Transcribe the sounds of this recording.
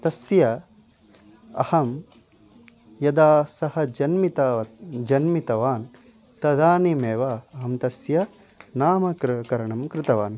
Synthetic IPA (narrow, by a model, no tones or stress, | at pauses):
t̪ɐsjɐ | ɐ̰hɐm | jɐd̪aːsɐhɐ̆d͡ʒɐnmit̪ɐd͡ʒɐnmit̪ɐʋaːn | t̪ɐd̪aːnimeːʋaːɐɦɐmt̪ɐsjɐ | naːmɐkɾkɐɾɐɳɐmkɾɪt̪ɐʋaːn